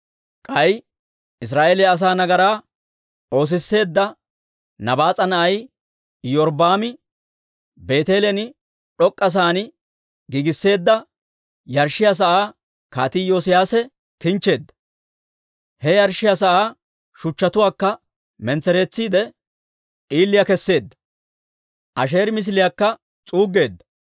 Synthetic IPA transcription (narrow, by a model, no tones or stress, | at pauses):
kʼɐj | ɪs̬ɾaːʔelɛɐs̬aːnɐɡɐɾaː | o̞ːs̬ɪsːe̞ːd̪ːɐ | nɐbaːt͡sʼɐnɐʔɐj | jɔɾbaːmɪ | be̞ːt̪e̞ːlɛnɪ | ᶑɔkʼːɐs̬aːnɪ | ɡɪɡɪsːe̞ːd̪ːɐ | jɐɾʃɪjas̬ɐʔaː | kaːt̪ɪjoːsɪjaːsɛ | kɪnt͡ʃːe̞ːd̪ːɐ̥ | hɛjɐɾʃɪjɐs̬ɐʔaː | ʃʊt͡ʃːɐt̪ʊwaːkːɐ | mɛnt͡sɛɾe̞ːt͡sːiːd̪ɛ | ʔiːlːɪjɐkɛsːe̞ːd̪ːɐ̥ | ʔɐʃ̬e̞ːɾmɪs̬lɪjɐkːɐ | t͡sʼuːɡːe̞ːd̪ːɐ̥